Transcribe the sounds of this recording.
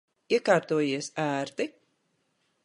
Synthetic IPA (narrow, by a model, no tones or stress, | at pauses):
iɛkaːɾt̪uɔjiɛsæːɾt̪i